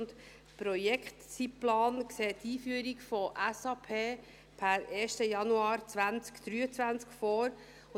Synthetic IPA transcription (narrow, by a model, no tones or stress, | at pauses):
nt̪ | pɾɔjɛkχtt͡siplɑːnkseːtːiːfyəɾikfɔʔɛsɑːpʰeː | pʰæɾeːʃtəjɑnuɑːɾt͡sʋænt͡skd̪̥ɾyːət͡sʋænt͡skfɔːɾ